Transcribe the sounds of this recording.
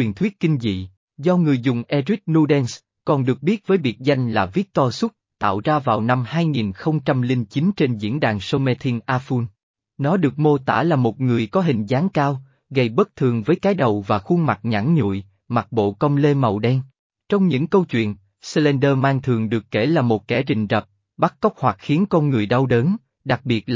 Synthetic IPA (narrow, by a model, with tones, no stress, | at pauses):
wi˨˩nt̪ʰwi˦˥t̚kï˧ŋ̟zḭ˧˨ | zɔ˧ŋɨ˨˩əjzʊ˨˩ŋ͡mʔɛ˧zi˦˥k̚nu˧ɗɛ˧ns | kɔ˨˩nɗɨ˨˩ək̚ɓi˦˥ət̚vəː˨˦jvi˨˩ət̚za˧jŋ̟laː˨˩vi˦˥ək̚t̪ɔ˧sʊ˦˥t̚t̪a̰ː˧˨wzaː˧vaː˨˩wna˧mhaː˧jŋi˨˩nxə˧wŋ͡mt͡ɕa˧mlï˧ŋt͡ɕi˨˦nt͡ɕe˧nzḭ˧˥ənɗaː˨˩ŋso˧mɛ˧t̪ʰi˧ŋʔaː˧fu˧n | nɔ˨˦ɗɨ˨˩ək̚mo˧t̪a̰ː˧˥laː˨˩mo˨˩t̚ŋɨ˨˩əjkɔ˨˦ɦï˨˩ŋ̟zaː˨˦ŋkaː˧w | ɣə˧˩jɓə˦˥k̚t̪ʰɨ˨˩əŋvəː˨˦jkaː˨˦jɗə˨˩wvaː˨˩xu˧ma˨˩t̚ɲa̰˧˥nɲṵ˧˨j | ma˨˩t̚ɓo̰˧˨kə˧wŋ͡mle˧mə˨˩wɗɛ˧ŋ | t͡ɕɔ˧wŋ͡mɲɨ̰˧˥ŋkə˧wt͡ɕwḭ˧˨ən | slɛ˧nɗəː˧maː˧ŋt̪ʰɨ˨˩əŋɗɨ˨˩əkːe˧˩laː˨˩mo˨˩t̚kɛ˧˩t͡ɕï˨˩ŋ̟zə˨˩p̚ | ɓa˦˥k̚ːə˦˥wk͡p̚hwa˨˩t̚xi˨˦ənkɔ˧nŋɨ˨˩əjɗa˧wɗəː˨˦n | ɗa˨˩k̚ɓi˨˩ət̚